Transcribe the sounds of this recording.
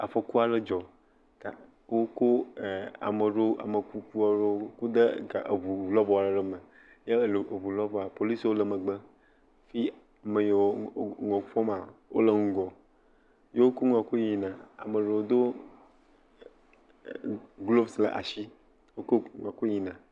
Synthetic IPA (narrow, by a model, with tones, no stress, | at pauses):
a̰˨fɔ˨ku˦a˨lə˦d͡ʒɔ˨ | t̪a˨ | wo˦ko˦˨a̰˨mə˨ɖo˦a̰˨mə˨ku˨ku˦a˨ɖo˦ku˦d̪ə˦ɡa˨ḛ˨βu˨lɔ˦bɔ˨a˨la˦ɖə˦mə̃˨ | je˦˨lβu˨lɔ˦vɔ˨a˨po˨li˦swo˦lə˨mə̃˨ɡ͡bə˦ | fi˦˨ | mə˨je˨wo˦˨ŋɔ̃˨fɔ˦mã˨wʔo̰˦lə˨ŋũ˦ɡɔ˨ | je˦wo˦ko˦ŋ˨ã˨ko˦ɲi˨nã˨a̰˨mə˨ɖe˨wo˦d̪o˦ | ɡlo˦bslə̰˨ʔa̰˨ʃi˦ | wo˦ko˦ŋ˨a˨ko˦ɲi˨nã˨